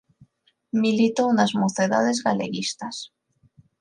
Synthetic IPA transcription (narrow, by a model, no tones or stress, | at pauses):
milit̪ounazmoθeða̰ð̞e̞zɣale̞̰ɣist̪as